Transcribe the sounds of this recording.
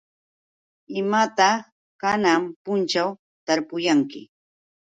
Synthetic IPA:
ɪmat̪a | kanampʊnt͡ʃaw | t̪aɾpʊjaŋkɪ

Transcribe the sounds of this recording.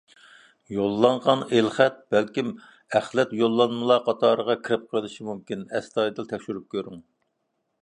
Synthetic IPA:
jolˠːɑɴʁɑnelχæt̪̚b̥ælkʲim | æχlɛt̪jolˠːɑnmɨlˠɑqʰɑt̪ʰɑːɾəʁɑkʲʰiɾɪp̚qʰəlˠɨʃimumkʲinɛst̪ɑjd̪ɨlˠt̪ʰɛkʲʃyɾyp̚kʲʰøɾyŋ

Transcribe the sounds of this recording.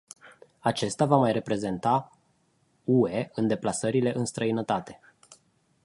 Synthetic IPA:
at͡ʃe̞st̪avamajre̞pɾe̞ze̞nt̪a | ue̞ɨnd̪e̞plasəɾile̞ʔɨnst̪ɾəinət̪at̪e̞̥

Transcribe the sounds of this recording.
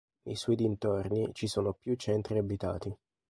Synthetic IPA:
nejsɔjd̪int̪ornit͡ʃisoːnopjut͡ʃːɛnt̪ɾiabit̪a̰ːt̪i

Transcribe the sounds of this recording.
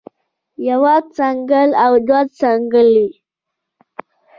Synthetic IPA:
jawat͡saŋɡəlawd̪wat͡saŋɡəli

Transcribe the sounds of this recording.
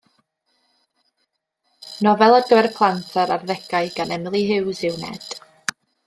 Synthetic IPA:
nɔvɛlˠəɡəwɛrpʰlˠantʰəɾarðɛɡaɨɡanɛmlˠiɦɪwsɪwnɛ̰d̥

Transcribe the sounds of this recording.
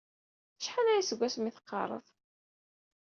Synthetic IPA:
θə̥ʃħanæjisəɡʷːæsmiθə̥qːɑ̰ɾˤə̰ðˤ

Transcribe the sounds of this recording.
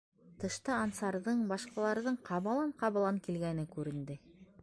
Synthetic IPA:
t̪ɤ̆ʃt̪ɑɑnsɑɾðɤɴbɑʃqɑlˠɑɾðɤɴqʰɑβɤ̆lˠɑɴqɑβɤ̆lˠɑŋkilɡænɘkʉɾɘ̆nd̪ɘ

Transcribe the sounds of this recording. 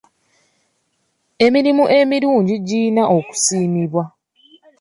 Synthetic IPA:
e̞miɾimuʔe̞miɾuːɲɟiɟinaʔo̞ku̥siːmiβwa

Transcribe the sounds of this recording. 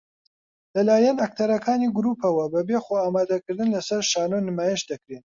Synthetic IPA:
lɐlaːjɐnɐk̚t̪ʰɐɾɐkʰaːniːɡʊɾupʰɐwɐbɐbeːxoaːmaːd̪ɐkɨɾd̪ɨnlɐsɐɾʃaːnonɨmaːjeʃd̪ɐkɾen

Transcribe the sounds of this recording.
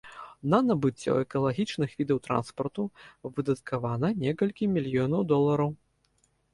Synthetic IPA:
nɐnɐbɨt͡sʲːɔ̰ɛkɐlˠaɣʲit͡ʂnɨxvʲid̪ɐwt̪ɾa̰nspɐrt̪uvɨd̪ɐt̪̚kʰavanɐnʲɛkɐlʲkʲimʲilʲjɔnɐwd̪ɔlˠɐɾɐw

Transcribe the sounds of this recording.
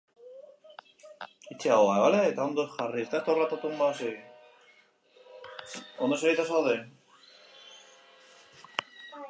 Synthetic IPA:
it͡ʃeawaeβaleːt̪aond̪osxarit̪ast̪orlat̪at̪umbase | ond̪oseit̪asoaðe

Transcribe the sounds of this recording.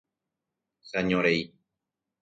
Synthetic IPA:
saɲõɾei

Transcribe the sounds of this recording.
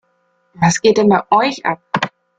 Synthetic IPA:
vasɡ̥eːtɛmaʔɔʏça̰p̚

